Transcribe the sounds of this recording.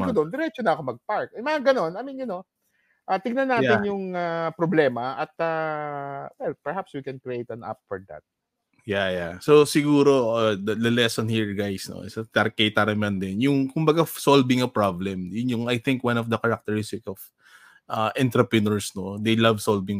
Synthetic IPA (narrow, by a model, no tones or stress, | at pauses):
mod̪ond̪ɛɾɛt͡ʃonɐʔɐkomɐɡ̚paɹk̚ɛmɐŋaɡɐno̞nɐmĩnɐno̞ | ʔat̪ɪɡ̚nɐnːaːjɪnjʊŋapɾoblɛːmɐʔɐt̪̚a | wɛlpɛɹhapswikɛ̃nkɾiʔejt̪ɐna̰p̚fɔɹd̪a̰t̪̚ | jajasosɪɡuːɾo̞od̪ɐlɐlɛsonhiɹɡajsno̰sɐt̪ɐɾkɐjt̪aɾɐmɐnd̪ɪnjʊŋkʊmbɐɡasolvɪŋɐpɹablɛmjʊnjʊŋajθɪŋkwãnɔfd̪ɐkɐɹɐk̚t̪ɛɹɪst̪ɪkɔf | ʔɐʔɛ̃nt̪ɾɛpɹɪnoɹsnod̪ejlɐvsolvɪŋ